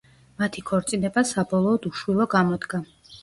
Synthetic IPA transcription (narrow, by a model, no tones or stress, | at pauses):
mat̪ʰikʰɔɾt̪sʼinɛbasabɔlˠɔːd̪uʃwilˠɔɡamɔd̪ɡa